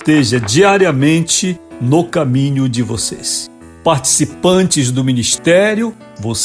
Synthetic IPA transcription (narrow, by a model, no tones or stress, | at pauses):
t̪eʒɐd͡ʒiaɾiɐmẽnt͡ʃɪnʊkamĩɲʊd͡ʒɪvo̰sḛs | paɾt͡ʃi̥sipɐ̃nt͡ʃɪzd̪ʊminist̪ɛɾjʊ | vos